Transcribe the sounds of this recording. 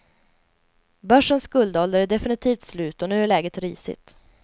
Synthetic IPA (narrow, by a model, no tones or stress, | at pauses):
bœʂənskɵld̪ɔld̪əɾæɖɛfɪnɪt̪ʰiːft̪slʉ̟ːt̪ɔnʉ̟ːæɭɛːɡət̪ɾiːsɪ̰t̪